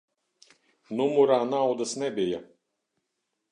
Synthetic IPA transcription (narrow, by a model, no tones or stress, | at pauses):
numuɾaːnawd̪asnɛbija